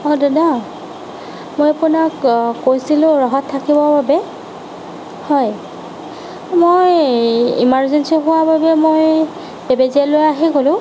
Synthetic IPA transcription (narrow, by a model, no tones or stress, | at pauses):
ɔdɔda | mojapʊnakːojsilʊ̃ɹɔɦɔtʰːakibɔbabɛ | hɔj | mojḭmaɹzɛnsiɦʊwababɛmoj | bebeziɛlojaɦɛɡolʊ̃